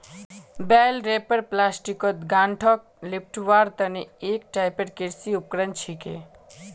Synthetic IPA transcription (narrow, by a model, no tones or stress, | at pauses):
bɛːlɾeːpəɾplaːsʈikot̪ɡaːɳʈʰɔːk̚ | lip̚ʰʈʋaːɾt̪ɐnieːk̚ʈaːjpəɾkiɾsiʊp̚kɾənt͡ʃʰike